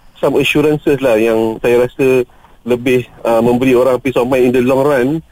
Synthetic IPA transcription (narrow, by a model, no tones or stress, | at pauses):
saməʃuɾansəslahjaŋsajaɾasə | ləbɪhəmə̃mbəɾioɾaŋpisɔmãjindəlɔŋran